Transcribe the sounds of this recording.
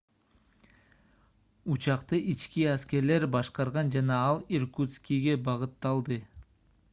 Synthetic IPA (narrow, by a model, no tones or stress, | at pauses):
ut͡ʃɑqt̪ɯʔit͡ʃkiæske̞ɾle̞ɾbɑʃqɑɾʁɑnd͡ʒɑnɑɑlˠirkut̪skʲiɡe̞bɑʁɯt̪ːɑlˠd̪ɯ